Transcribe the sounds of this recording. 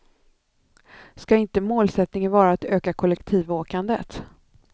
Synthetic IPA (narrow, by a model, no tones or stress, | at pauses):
skaɪnt̪əmoːlsɛt̪nɪŋənvɑːɾaːt̪øːkakʰɔlɛkt̪ʰiːvoːkand̪ət̪